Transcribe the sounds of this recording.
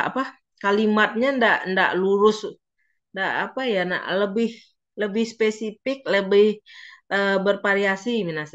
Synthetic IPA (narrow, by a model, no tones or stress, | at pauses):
a̰pa | kalimat̪̚ɲandaʔnda̰ʔluɾʊs | ndaʔapajana̰ʔləbɪh | ləbɪhspesifɪk̚ləbɪhʔəbərpaɾiasiminas